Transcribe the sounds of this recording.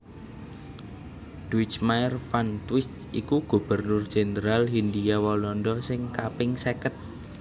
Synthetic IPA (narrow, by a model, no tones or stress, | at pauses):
d̥uɪt͡ʃmaɛrfant̪wɪst̪ | ikuɡ̥ṳb̥ə̤rnʊrd̥ʒ̥e̤nəɾalɦind̪ijawɔlɔnɖɔsɪŋkapɪŋsekət̪̚